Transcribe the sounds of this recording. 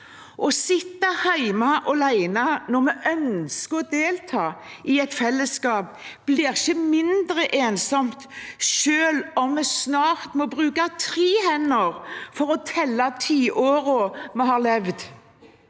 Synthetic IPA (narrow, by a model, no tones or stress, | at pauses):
ʔɔsɪt̪ːɑhæɪmɑʔɔlæɪnɑnɔmɛʔœnskəɔd̪eːlt̪ʰɑːʔɪɛt̪fɛlːəskɑːp̚ | b̥liːʁɪçəmɪnd̪ɾəʔeːnsɔmt̪ʃøːlɔmːɛsnɑːɾt̪mɔbɾʉːkɑt̪ʰɾiːhɛnːəɾfɔɾɔt̪ʰɛlːɑt̪ʰiːʔoːɾɔmɛhɑːlɛʋd̪